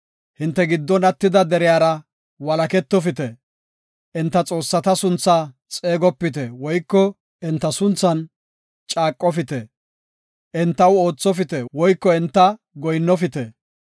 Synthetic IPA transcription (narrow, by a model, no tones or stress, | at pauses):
hɪnt̪ːɛɡɪd̪ːɔnɐt̪ːɪd̪ɐd̪ɛɾɪjaːɾɐ | wɐlɐkɛt̪ːɔfɪt̪ɛ | ʔɪnt̪ːɐt͡sʼo̞ːsːɐt̪ɐsʊnt͡sːaː | t͡sʼeːɡɔpːɪt̪̬ɛwɔjkːɔ | ɪnt̪ːɐsʊnt͡sːɐn | t͡ʃʼaːkʼːɔfɪt̪ɛ | ʔɪnt̪ːɐwo̞ːt͡sːɔfɪt̪ɛwɔjkːɔɪnt̪ːɐ | ɡɔjnːɔfɪt̪ɛ